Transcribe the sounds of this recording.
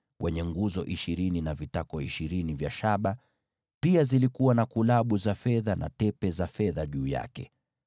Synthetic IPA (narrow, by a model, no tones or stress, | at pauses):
wʔɛɲɛŋɡuzɔʔiʃiɾininavitakɔiʃiɾinivjaʃaɓa | piazilikuwanakulaɓuzafɛðanʔa̰tɛpɛzafɛðaʄuːja̰kɛ̰